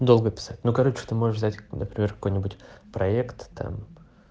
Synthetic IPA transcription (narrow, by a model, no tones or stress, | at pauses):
d̪o̞lˠɡəpʲɪ̥satʲnukɐɾo̞t͡ɕɪ̥t̪ɨmo̞ʐɨʂvzʲtʲnəpɾʲɪmʲerkɐ̥ko̞jnʲɪbʊtʲpɾɐekt̪ːa̰m